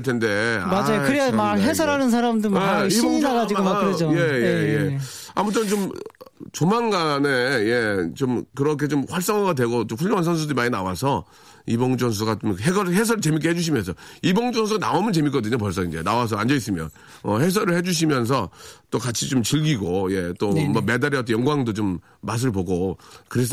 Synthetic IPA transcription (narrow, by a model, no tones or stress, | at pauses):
ɭtʰende̞aad͡ʑajokɯɾemakɦesʰʌɾanɯnsʰaɾamdɯɾioɲŋinaad͡ʑiɡoad͡ʑoje̞jeje | a̰mutʰɯnt͡ɕom | t͡ɕomanɡaneje̞t͡ɕomkɯɾʌkʰe̞t͡ɕomɸwaɭs̬͈ʌŋaɡadwe̞ɡot͡ɕomɸuʎːjoŋansʰʌns̬ʰudɯɾimaɲinawasʰʌ | ibʌŋd͡ʑʌŋs̬ʰuɡat͡ɕomɦeɡʌɦes̬ʰʌɾɯɭt͡ɕe̞mik̬͈ʰeɦed͡ʑuɕ̬ʰimjʌns̬ʰʌibʌŋd͡ʑʌŋs̬ʰuɡanaomɯnt͡ɕe̞mik͈ʌdɯɲop̬ʌɭs̬ʰʌind͡ʑe̞nawas̬ʰʌand͡ʑʌis͈ɯmjʌn | ʌɦe̞s̬ʰʌɾɯɭhe̞d͡ʑuɕ̬ʰimjʌns̬ʰʌt͈okat͡ɕʰit͡ɕomt͡ɕiɭɡiɡojet͈omaɡ̚me̞daɾiʌt͈ʌnjʌŋɡwaŋdot͡ɕomː | as̬ʰɯɭpoɡokɯɾes̬ʰ